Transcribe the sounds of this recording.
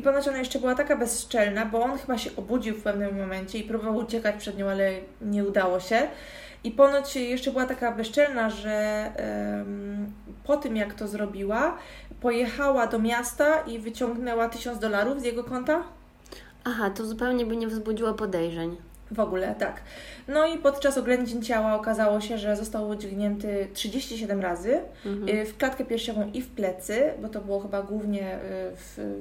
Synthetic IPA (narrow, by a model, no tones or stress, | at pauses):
ipɔnɔt͡ɕɔnajɛʂt͡ʂɛbɘwat̪akabɛsʂt͡ʂɛlnabɔɔnxɘbaɕɛʔɔbud͡ʑiwfpɛvnɘmːɔmɛɲt͡ɕɛipɾubɔvawut͡ɕɛkat͡ɕpʂɛd̪ɲɔ̃w̃alɛ | ɲɛud̪awɔɕɛ | ipɔnɔt͡ɕjɛʂt͡ʂɛbɘwat̪akabɛst͡ʂɛlnaʐɛ | mpɔt̪ɘmjakt̪ɔzɾɔbʲiwa | pɔjɛxawad̪ɔmʲjast̪aʔivɘt͡ɕɔŋɡnɛwat̪ɘɕɔnd̪d̪ɔlaɾuvzʲjɛɡɔkɔnt̪a | axat̪ɔzupɛwɲɛbɘɲɛvzbud͡ʑiwapɔd̪ɛjʐɛɲ | vɔɡulɛt̪aknɔipɔt̪t͡ʂasɔɡlɛɲd͡ʑeɲt͡ɕawaɔkazawɔɕɛʐɛzɔst̪awud͡ʑɡɲɛnt̪ɘtʂɘd͡ʑeɕt͡ɕiɕɛd̪ɛmɾazɘ | fklat̪kɛpʲjɛɾfʂɛvɔ̃w̃ʔifplɛt̪sɘbɔt̪ɔbɘwɔxɘbaɡwuvɲɛf